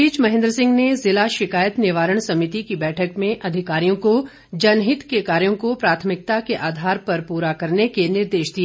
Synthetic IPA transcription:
iːt͡ʃmɐɦɪ̃nd̪ɾəsɪ̃ŋɡnezɪlaʃɪkaːjət̪nɪʋaːɾəɳ̃sɐmɪt̪ikibɛːʈʰəkmẽʔɐd̪ʱɪkaːɾijõko | d͡ʒɐnɦɪt̪kekaːɾjõkopɾaːt̪ʰəmɪk̚t̪akeʔaːd̪ʱaːɾpɐɾpuːɾakɐɾnekenɪɾd̪eːʃd̪ieː

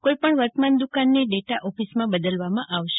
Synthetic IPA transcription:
koipəɳʋəɾt̪əmand̪ukanːeɖeʈaʔɔfismãbəd̪əlʋamãʔaʋʃe

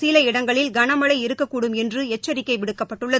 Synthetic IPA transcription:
silɐɪɽɐŋɡɐɭɪlɡɐɳɐmɐɭɐɪɪɾɯkːɐkːuːɽɯmɛndrɯɛt͡ʃːɐɾɪkːɐɪʋɪɽɯkːɐpːɐʈːɯɭːɐ

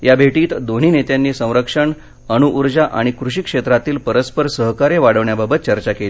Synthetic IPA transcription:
jabʱeʈiːt̪d̪oɳ̤iːnet̪janːiːsə̃w̃ɾəkʂəɳ | əñuʔːɾd͡ʑaʔa̰ɽ̃ikɾuɕ̬ikʂet̪ɾat̪iːlpəɾəspəɾsəɦkaɾeʋaɽəʋɳjababət̪̚t͡ɕəɾt͡ɕakeli

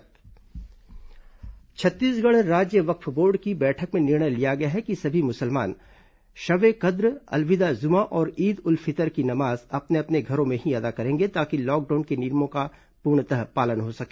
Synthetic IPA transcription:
t͡ʃʰɐt̪ːiːsɡɐɽ̃ɾaːd͡ʒjəʋɐkfboːɾɖkibɛːʈʰəkmẽnɪɾɳəjlijaɡɐjaɦɛkisɐbʱimʊsəlma̰ːn | ʃɐʋekɐd̪ɾɐ̰lʋɪd̪azʊmaʔɔːɾiːd̪ʊlfʰɪt̪əɾkinɐmaːzɐpneɐpneɡʱɐɾõmẽɦiɐd̪akɐɾẽːŋɡet̪aːkilɔːk̚ɖaːnkenɪɾmõka | puːɾɳ̃t̪əɦpaːlənɦosɐkeː

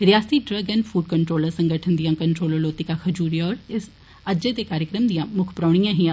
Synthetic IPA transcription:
ɾɪjaːst̪iːɖɾəːɡənpʰuːɖ̚kəɳʈɾoːləɾsə̃ŋɡəʈʰənd̪ijãːkəɳʈɾoːloːloːt̪ɪkaːkʰəd͡ʒuːɾijaɔːɾɪs | əd͡ʒeːt̪eːkaːɾjəkɾəmd̪ijãːmʊkʰpɾaːɽ̃ɪjãːɦĩːa

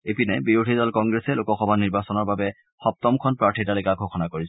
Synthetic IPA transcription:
epinɛbiɹudʱizɔlkɔŋɡɹesɛlokɔxɔbʱaniɹbasɔnɔɹbabɛ | xɔp̚tɔmkʰɔnpɹaɹtʰitalekaɡʱoxɔnakoɹi

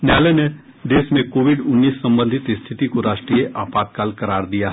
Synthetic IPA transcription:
njaːlene | d̪eːsmẽkoːʋɪɖʊnːiːsːɐ̃mbə̃nd̪ʱɪt̪st̪ʰɪt̪ikoɾaːʃʈɾijeʔaːpaːt̪̚kaːlkɐɾaːɾd̪ijaɦɛ

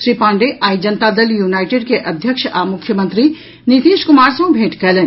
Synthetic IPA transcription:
ʃɾiːpãːɳɖeʔaːjd͡ʒɐnt̪aːd̪ɐljunaːɪʈeːɖkeʔɐd̪ʱjəkʃamʊkʰjəmə̃nt̪ɾi | nit̪eːʃkʊmaːɾsɐ̃ũbʱeːʈkɛlən

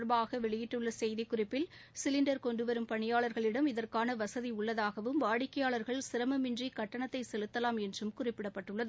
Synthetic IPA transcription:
ɾbaːɣɐʋɛɭɪjɪʈːɯɭːɐsɛjðikːʊrɪpːɪl | sɪlɪɳɖɐɾkɔɳɖɯʋɐɾɯmpɐɳɪjaːɭɐɾɣɐɭɪɽɐmɪðɐrkaːnɐʋɐsɐðiʊɭːɐðaːɣɐʋɯmʋaːɽɪkːɐjaːɭɐɾɣɐɭsɪɾɐmɐmɪndrikɐʈːɐɳɐt̪ːɐɪsɛlɯt̪ːɐlaːmɛndrɯmkʊrɪpːɪɽɐpːɐʈːɯɭːɐðɯ

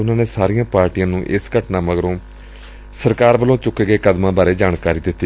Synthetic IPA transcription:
ʊnãːneːsaːɾijãːpaːɾʈijãːnũːʔɪskəʈnãːməɡɾõː | səɾkaːɾʋəlõːt͡ʃʊkːeːɡeːkəd̪mãːbaːɾeːd͡ʒaːɳkaːɾiːd̪ɪt̪ːiː

